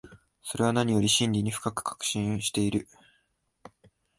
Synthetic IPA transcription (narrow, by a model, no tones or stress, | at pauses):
so̞ɾe̞βanaɲ̟ijo̞ɾʲiɕĩnʲɾʲiɲ̟iɸɯ̟̥kakɯ̟̥kḁkɯ̟̥ɕĩɰ̃ɕi̥t̪e̞iɾɯ̟